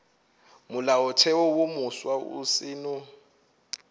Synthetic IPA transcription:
mʊlaɔtʰɛwɔwomuswaṵsɪːnɔ

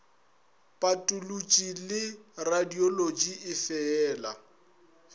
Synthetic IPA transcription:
pʼatʼulut͡ʃʼilɪradiolod͡ʒiɪfɛɛːla

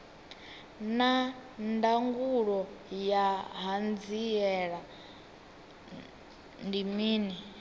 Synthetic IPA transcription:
nandaŋɡuɺɔjaɦand͡ziɛɺa | ndimiːni

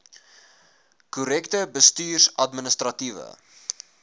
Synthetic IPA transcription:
kuɾɛktəbəstyːrsɐtmənəst̪rɐtivə̰

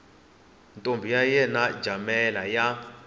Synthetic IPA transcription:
ntʼombʱijajɛnḁd͡ʒʱamɛlaja

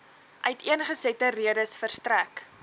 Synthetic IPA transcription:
ʔœɥtʰiənχəsɛtəriədəsfərstræk

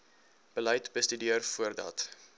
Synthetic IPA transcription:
b̥ələjtbəstydiərfuərdɐ̰t

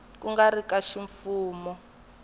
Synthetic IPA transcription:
kuŋɡaɾikaʃiɱfuːmɔ

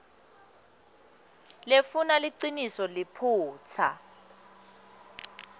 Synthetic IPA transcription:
lefunaliǀinisɔlɪpʰuːt͡sʰa̰

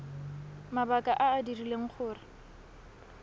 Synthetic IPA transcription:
mabakʼaʔaːdirileŋ̩χʰʊːrɪ

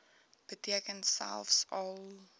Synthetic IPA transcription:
b̥ətiəkənsæ̰lˠfsɔlˠ

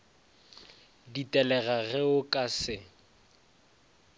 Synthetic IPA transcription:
ditʼɛlɛɣaɣɛʊkʼasɪ

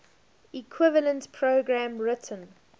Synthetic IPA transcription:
ikʰwɪvələ̃ntpʰɹoɡɹæ̃mɹɪtʰə̃n

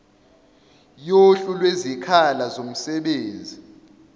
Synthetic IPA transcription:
joɬulwezikʰalazom̩sɛɓeːnd͡zʱi

